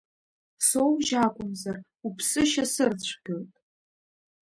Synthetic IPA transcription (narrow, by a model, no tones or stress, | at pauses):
so̞wʒakʷʼʊmzar | upʰsɨʃasɨrt͡ɕʷʰɡʲɨltʼ